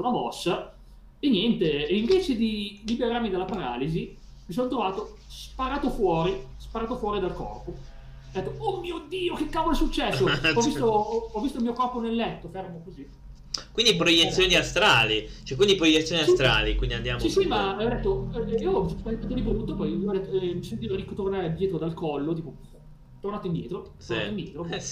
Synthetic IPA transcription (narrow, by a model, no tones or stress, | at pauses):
unamɔsːa | enjɛnt̪eːiɱvɛːt͡ʃed̪ilibeɾarmid̪elapaɾa̰ːlizi | mis̬ont̪ɾovaːt̪o | spaɾaːt̪ofwɔːɾispaɾaːt̪ofwɔːɾid̪alkɔ̰rpo | d̪ɛt̪ːoomːiːod̪iːokekːavolesut͡ʃːɛsːoɔvːist̪oɔɔvːist̪oilmiokɔrponelːɛt̪ːofermokozi | kwind̪ipɾojet̪sːjoːniast̪ɾaːlit͡ʃɛkwind̪ipɾojet̪sjoniast̪ɾa̰likwind̪iand̪jamsisimaɔd̪ɛt̪ːoiːoɔvspaent̪at̪od̪ibɾut̪ːopɔjiɔd̪ɛt̪ːoɛmisent̪iːoɾikːot̪ornaːɾed̪jɛːt̪ɾod̪alkɔlːot̪iːpo | t̪ornaːt̪oind̪jɛ̰ːt̪ɾot̪oraiaoind̪jɛ̰ːt̪ɾoɛ